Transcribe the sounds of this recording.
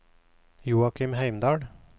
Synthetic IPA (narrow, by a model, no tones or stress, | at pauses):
juːakʰɪmɦæɪmd̪ɑːɖ